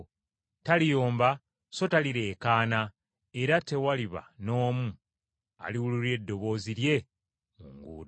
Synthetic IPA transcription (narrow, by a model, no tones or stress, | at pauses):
talijo̞ːmba | so̞taliɾe̞ːkaːna | eɾate̞waliβa̰no̞ːmu | a̰liwuluɾe̞dːo̞βo̞ːziɾje̞ | muŋɡṵːɾ